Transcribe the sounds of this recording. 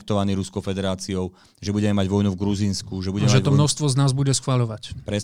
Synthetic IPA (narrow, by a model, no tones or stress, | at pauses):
k̚t̪ɔʋaniːɾuskɔʊfɛd̪ɛɾaːt͡siɔʊ | ʒɛbuɟɛmɛmaɟʋɔjnuvɡɾuziːnskuʒɛbuɟɛɛmʒɛt̪ɔmnɔʃst̪ʋɔznaːzbuɟɛsxʋaʎɔʋacpɾɛ